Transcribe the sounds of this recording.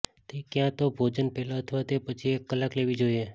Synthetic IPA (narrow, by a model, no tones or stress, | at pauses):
t̪ekjãt̪obʱoːd͡ʒənpɛːlaət̪ʰʋat̪epət͡ʃʰiekːəlakleʋid͡ʒoie